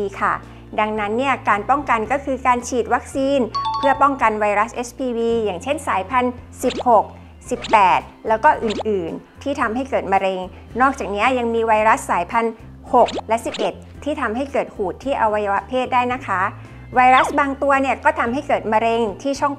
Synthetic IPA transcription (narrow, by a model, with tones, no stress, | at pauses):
kʰa˥˩ | da˧ŋna˦˥nːi˥˩ɐkaː˧npɔ˥˩ŋka˧nkɔː˥˩kʰɯː˧kaː˧nt͡ɕʰiː˨˩t̪̚wa˦˥k̚siː˧npʰɯ˥˩ɐpɔ˥˩ŋka˧nwa˧jɾa˦˥sʔe˦˥spʰiː˧wiː˧jaː˨˩ŋt͡ɕʰe˥˩nsaː˩˦jpʰa˧nsi˨˩p̚ho˨˩k̚ | si˨˩pːɛː˨˩t̪̚lɛː˦˥wkɔː˥˩ʔɯː˨˩nʔɯː˨˩n | t̪ʰiː˥˩t̪ʰa˧mɦa˥˩jkɤː˨˩t̪̚ma˧ɾe˧ŋ | nɔː˥˩k̚t͡ɕaː˨˩k̚ni˦˥ɐja˧ŋmiː˧wa˧jɾa˦˥sːaː˩˦jpʰa˧n | ho˨˩k̚lɛ˦˥si˨˩p̚ʔe˨˩t̪ʰːiː˥˩t̪ʰa˧mɦa˥˩jkɤː˨˩t̪̚huː˨˩t̪ʰːiː˥˩ʔa˧wa˧ja˧wa˦˥pʰeː˥˩t̪̚daː˥˩jna˦˥kʰa˦˥ | wa˧jɾa˦˥sbaː˧ŋt̪u˧ɐni˥˩ɐkɔː˥˩t̪ʰa˧mha˥˩jkɤː˨˩t̪̚ma˧ɾe˧ŋt̪ʰiː˥˩t͡ɕʰɔ˥˩ŋ